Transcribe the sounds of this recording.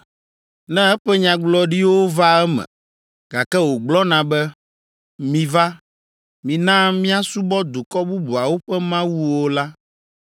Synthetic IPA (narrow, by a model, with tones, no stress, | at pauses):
nɛ̃˦ɛ˦ɸɛ˦ɲã˨ɡ͡blɔ˦ɖi˦wo˦va˦ɛ˦mɛ̰̃˨ | ɡa˨kɛ˦wo˨ɡ͡blɔ˦nã˨bɛ˦ | mĩ˨va˦ | mĩ˨nã˦mĩ˦a˦su˦bɔ˦d̪o˨kɔ˦bu˦bu˨a˨wo˦ɸɛ˦mã˦wu˦wo˦la˦